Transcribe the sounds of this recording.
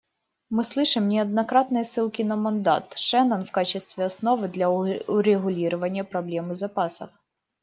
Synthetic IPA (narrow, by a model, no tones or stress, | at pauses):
mɨslˠɨʂɨmnʲɛɐd̪nɐkɾɑt̪nɨjɐsɨlˠkʲɪnɐmɐnd̪ɑ̰t̪ʃɛnɐnwkɑt͡ɕɪst̪ʋʲiɐsnɔʋɨd̪lʲɐɾeɣʊlʲiɾʊʋɐnʲːɐpɾɐblʲɛmɨzɐpɑsɐ̰f